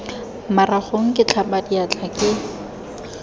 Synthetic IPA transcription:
maraχoŋ̩kʼɪt͡ɬʰabadiat͡ɬʰʼakʼɪ

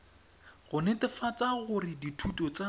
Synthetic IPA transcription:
ɣʊnetɪfat͡saɣʊrɪditʰutʼɔt͡sa

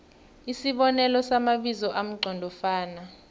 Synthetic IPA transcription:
isiɓɔnɛlɔsamaɓizɔʔam̩ǀʱɔndʱɔfaːna

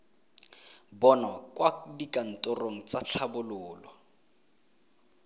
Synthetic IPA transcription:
bɔnakwadikʼan̩tʼʊroŋ̩t͡saɬʰabʊlʊːlɔ

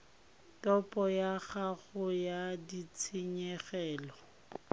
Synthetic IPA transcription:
tɔpʼɔjaɣaɣʊjadit͡sʰɪɲɛɣɛːlɔ

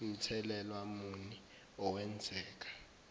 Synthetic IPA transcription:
m̩tʰɛlɛlwamuni | ɔwɛnd͡zʱɛːk̬ḁ

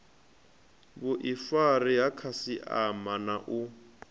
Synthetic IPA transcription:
bʊʔifariɦakʰasiʔamanaʔu

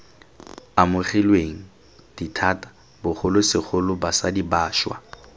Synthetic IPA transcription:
amʊχilweŋ̩ | d̥itʰaːtḁ | bʊχʰʊlʊsɪk͡xʰʊlʊbasadibaːʃwa̰

